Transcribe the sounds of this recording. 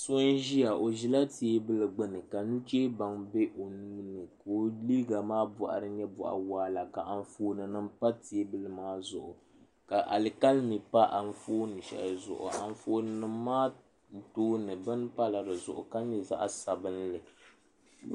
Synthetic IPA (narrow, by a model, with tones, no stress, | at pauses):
so˦n˦ʒi˦ja˨ʔo˨ʒi˦la˦ti˨e˦bɨ˦lɨ˨ɡ͡bɨ˦nɨ˨ka˨nu˦t͡ʃe˦ba˨ŋbɛ˦ʔo˨nuː˦nɨ˨ko˦li˦ɡa˨maː˦bɔ˨ʔa̰˨ɾɨ˦ɲɛ˦bɔ̰˨ʔa̰˨waː˦la˨ka˨ʔa˨n˦foː˦nɨ˨nɨ˦m̩˦pa˦ti˨e˦bɨ˦lɨ˨maː˦zʊ˨ʔʊ˨ | ka˨ʔa̰˨lɨ˨ka˦lmi˨pa˦ʔa˨n̩˦foː˦nɨ˨ʃɛ̰˨lzʊ̰˨ʔʊ̰˨a̰˨ɱ˦foː˦nɨ˦nɨː˦aː˦˨ | toː˦nɨ˨bɨ˦n˦pa˦la˨dɨ˨zʊ̰˨ʔʊ̰˨ka˦ɲɛ˨za̰˦ʔa˦sa˨bɨ˦n˦lɨ˨